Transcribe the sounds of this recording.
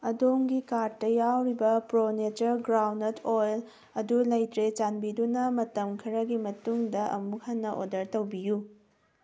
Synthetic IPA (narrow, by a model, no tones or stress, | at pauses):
ɐdoŋɡikatɐjawɾibɐpɾonet͡ʃɐɾɡɾawnɐtʰojl | ɐdulɐjtɾet͡ʃanbidunɐmɐtɐmkʰɐɾɐɡimɐtuŋdɐʔɐ̰muk̚hanːɐʔo̰dɐɾtɐwbiju